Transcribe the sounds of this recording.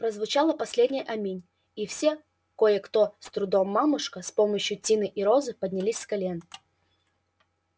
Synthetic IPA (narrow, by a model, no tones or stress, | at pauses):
pɾəzvʊt͡ɕalˠəpɐsʲlʲedʲnʲɪjʔɐmʲinʲ | ifsʲe | ko̞jəkt̪ost̪ɾʊd̪omːamʊʂkəspoməɕjʊtʲinɨʔiɾozɨpədʲnʲɪlʲisʲskɐlʲen